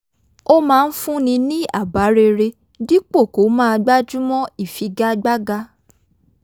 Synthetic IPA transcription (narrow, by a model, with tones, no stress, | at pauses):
o˦mãː˦˧n̩˦fũ˦nĩ˧nĩ˦a̰˦˨ba˨˦ɾe˧ɾe˧ | di˦k͡po˦˨ko˨˦mãː˦˧ɡ͡ba˦d͡ʒũ˦mɔ̃˦i˦˨fi˨˧ɡa˦ɡ͡ba˦ɡa˧˦